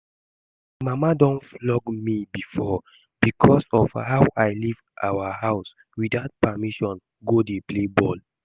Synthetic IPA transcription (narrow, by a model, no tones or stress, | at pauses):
mamadɔ̃nflɔɡmibifɔ | b̥ikʰɔsɔvhawʔajlivʔawahaʊs | widaʊt̚pamiʃɔ̃n | ɡodeplebɔl